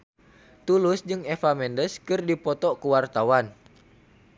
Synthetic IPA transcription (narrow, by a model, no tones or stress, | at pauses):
t̪ulʊsd͡ʒɨŋefamɛndəskɨrdipɔt̪ɔkəwart̪awan